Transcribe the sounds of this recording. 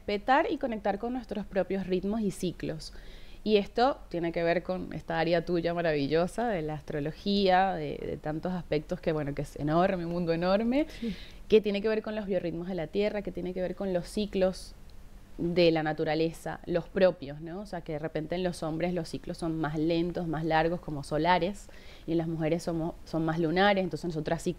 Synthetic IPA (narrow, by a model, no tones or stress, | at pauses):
respe̞t̪aɾiko̞nek̚t̪aɾko̞nːwe̞st̪ɾo̞spɾo̞pjo̞srid̪mo̞sisiklo̞sie̞st̪o̞t̪je̞neke̞β̞e̞ɾko̞nḛst̪aaɾjat̪uʝamaɾaβiʝo̞saðe̞laːst̪ɾo̞lo̞xiaðḛðḛt̪ant̪o̞saspe̞k̚t̪o̞ske̞βwe̞nokeesḛnoɾmeumũnd̪oeno̞ɾme̞ke̞t̪je̞nekeβe̞ɾko̞nlo̞zβjo̞rid̪mo̞zð̞e̞lat̪je̞rake̞t̪je̞nekeβe̞ɾko̞nlo̞siklo̞s | ðe̞lanat̪uɾale̞sa̰lo̞spɾo̞pjo̞sno̞ːseake̞ðere̞pe̞nt̪eenlo̞so̞mbɾe̞slo̞sːiklo̞sːo̞nmasle̞nt̪o̞zmaslaɾɣ̞o̞sko̞mo̞so̞laɾe̞s | ie̞nlazmuxe̞ɾe̞sːomosso̞ŋmazlunaɾesent̪onsenosot̪ɾssi